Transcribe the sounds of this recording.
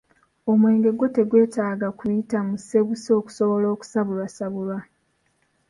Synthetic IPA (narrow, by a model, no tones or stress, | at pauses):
o̞mwe̞ːŋɡe̞ɡote̞ɡwe̞ːtaːɡakujitamuse̞βuso̞ːku̥so̞βo̞lo̞ːku̥saβulwasaβulwa